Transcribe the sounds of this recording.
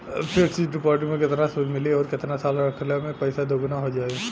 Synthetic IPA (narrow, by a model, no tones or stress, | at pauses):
pʰɪɾt͡ʃid͡ʒɾɪpɔɾʈɪ̃ŋmẽkɪt̪nasudʱmɪliɔːɾkɪt̪nasaːlɾəkʰljamẽpɐɪsad̪oɡʊnaɦod͡ʒaːe